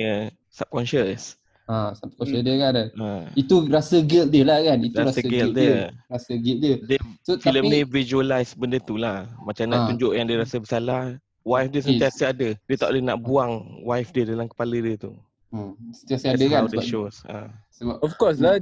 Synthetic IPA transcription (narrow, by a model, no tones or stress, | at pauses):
ə | sap̚kɔnʃəs | asap̚kɔnəsdəkanait̪uɾasəɡildəlahkanit̪uaɾasəɡɛldəɾasəɡildədəfiləmmnĩvid͡ʒuəlajsbəndət̪ulahmat͡ʃamnat̪uɲd͡ʒoʔjaŋdiəɾasəbəsalah | wajfdiəs̬ənt̪iasəadədiət̪awʔdənaʔbuaŋwafdiədalamkə̥palədiət̪u | sənt̪iasəadəkaawdəʃosa̰səbaɔfkɔs̬la